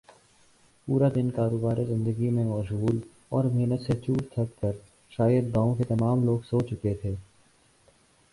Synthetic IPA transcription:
puːɾad̪ɪnkaːɾoːbaːɾizɪ̃nd̪əɡimẽɔːʃɡuːl | ɔːɾmeːnət̪set͡ʃuːʈt̪ʰɐkkəɾ | ʃaːjəd̪̚ɡãːõket̪ɐmaːmloːɡsoːt͡ʃʊket̪ʰeː

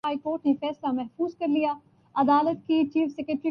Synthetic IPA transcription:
aːikoːɾʈnefɛːslamɛɦfuːzkɐɾlija | ɐd̪aːlət̪kit͡ʃiːfsɛkɾeʈɾi

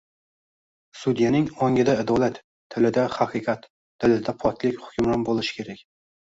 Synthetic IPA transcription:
sud̪janɪŋɒŋʲɪd̪aɪd̪ɒlˠat̪ʰː | ɪlɪd̪ahaqʰɨqʰɑt̪ʰː | ɪlɪd̪apʰɒt̪ʰlɪkʲhʊ̥kʲʊmɾanbolˠɪʃɪ̥kʲʰe̞ɾakʲ

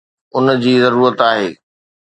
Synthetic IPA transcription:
ʊnd͡ʑiːzɐɾuːɾət̪aːɦḛː

